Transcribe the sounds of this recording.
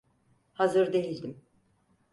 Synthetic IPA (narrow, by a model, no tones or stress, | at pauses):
hazɯɾd̪e̞jilʲd̪im